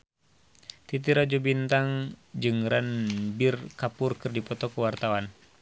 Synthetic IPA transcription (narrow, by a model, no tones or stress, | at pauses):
t̪it̪̬iɾad͡ʒubint̪aŋd͡ʒɨŋranbirkapurkɨrdipɔt̪ɔkuwart̪awan